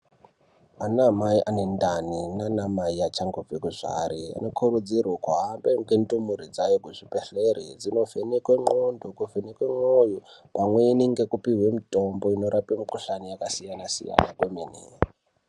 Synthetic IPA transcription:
anamaiʔanendaninanamaiat͡ʃaŋɡofikuʐa̰ɾia̰nokʰuɾud͡zirwakuɦambeŋɡendumuɾid͡zajokuʐipeɬeɾid͡zino̞venekweŋ͡ǃondokuvenekweŋ͡ǃojopamweiniŋɡekupiɦwemitʼomboino̞ɾapimikuɬanijakasijanasḭja̰na̰kwemenḭ

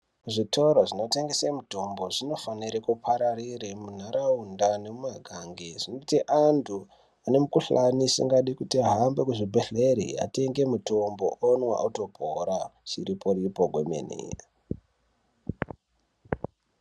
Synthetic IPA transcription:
ʐitʰoɾoʐino̞te̞ŋɡesemuto̞mbo̞ʐino̞faniɾekupʰaɾariɾemun̤aɾaundane̞mumaɡʱaŋɡeʐ̥inotiʔantʰu | ane̞mukuɬanisḭŋɡaɗikutiaɦambekuʐibʱeɬeɾḭa̰te̞ŋɡe̞muto̞mbo̞̰ʔonwa̰ʔuto̞poɾat͡ʃiɾipʰo̞ɾipoɡʱwḛmḛnḛ

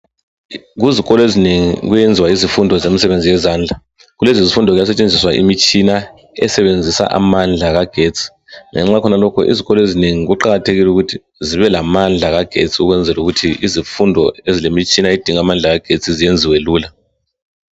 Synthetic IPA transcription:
ɣuziɣɔlɔezineŋḭɣujend͡zʱiwaizifundʱɔzemisɛβend͡zʱijɛzaːnd͡ɮʱa | ɣulezizifundʱɔɣujasɛt͡ʃʼend͡zʱiswaʔḭmit͡ʃʼina | ɛ̰sɛβend͡zʱisa̰ʔa̰mand͡ɮʱaɣaɡ̥ʱet͡sʼʰi̥ | ŋɛ̰ŋ͡ǁakʰɔnalɔkʰɔ̰ʔḭziɣɔlɔezineŋiɣuǃaɣatʰeɣilɛuɣutʰi | ziβɛlamand͡ɮʱaɣaɡ̥ʱḛt͡sʼiuɣwɛnd͡zʱɛluɣutʰiizifundʱɔezilemit͡ʃʼinaed̥ʱiŋamand͡ɮʱaɣaɡ̥ʱet͡sʼizijend͡zʱiweluːla

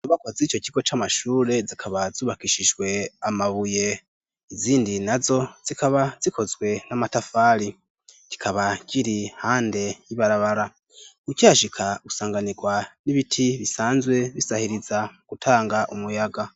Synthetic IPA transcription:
uβakazit͡ʃo̞ciɡo̞t͡ʃamaʃuːɾe̞zikʰaβaz̥uːβakiʃiʒwe̞amaβuje̞ | iziːndinazo̞z̥ikaβaz̥ikʰo̞zɡwe̞namatafaːɾi | ci̥kʰaβaciɾihaːnde̞jiβaɾaβaɾa | kucaːʃikʰaɡusaːŋɡaniɡwaniβitʰiβisaːnzwe̞βisahiɾizaɡ̥utʰaːŋɡaʔumujaɡa

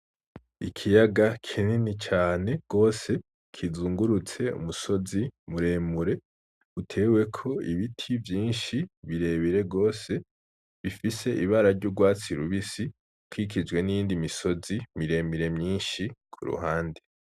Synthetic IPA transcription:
ikʰijaɡakʰininit͡ʃaːne̞ɡ̥o̞ːse̞ | kʰizuːŋɡuɾut͡se̞ṵmuso̞zimuɾe̞ːmuɾe̞ | utʰe̞ːwe̞kʰo̞iβitʰivjiːnʃiβiɾe̞ːβiɾe̞ɡo̞ːse̞ | βifise̞ʔiβaɾaɾɟuɡwaːt͡siɾuβisi | kʰwikid͡ʒɡwe̞nijiːndimiso̞zimiɾe̞miɾe̞mɲiːnʃikʰṵɾṵɦaːnde

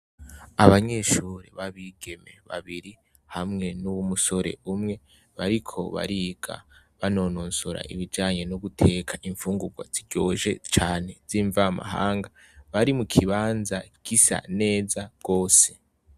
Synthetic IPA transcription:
aβaɲe̞ʃuːɾḛβaβiɡ̥e̞me̞̰βa̰βiɾi | hamŋe̞nuwumuso̞ɾe̞̰umŋe̞ | βaɾikʰo̞̰βa̰ɾiːɡ̥a̰ | βano̞noːnsuɾa̰ʔḭβid͡ʒaːɲe̞nuɡutʰe̞kʰaʔiɱfuːŋɡuɡwa̰z̥iɟoːʒe̞̰t͡ʃaːne̞z̥iːɱvama̰ɦa̰ːŋɡa | βaɾimukʰiβaːnzaɡ̥isa̰ne̞ːzḁɡ̥o̞ːse̞

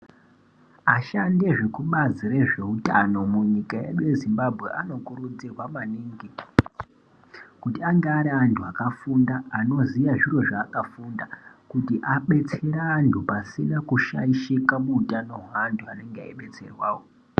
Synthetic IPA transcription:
aʃande̞ʐekuɓazire̞ʐe̞ɦutano̞muɲikajḛɗujezimbabʱɣe̞ʔano̞kuɾud͡zirwamaniŋɡi | kutiaŋɡeaɾiantʰuakafundaːno̞ziʋaʐiro̞ʐaːkafundakutiʔaɓe̞t͡seɾaːntʰupasinakuʃa̰iʃikamuːtano̞ɦwaːntʰuane̞ŋɡea̰iɓe̞t͡se̞̰rwaːwo

